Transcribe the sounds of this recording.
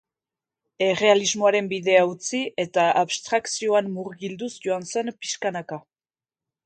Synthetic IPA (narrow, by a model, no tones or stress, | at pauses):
e̞re̞alizmo̞aɾe̞mbiðe̞aut͡siʔe̞t̪aʔaβst̪ɾaksio̞anmuɾɣild̪usʝo̞anse̞mpi̥ʃkanaka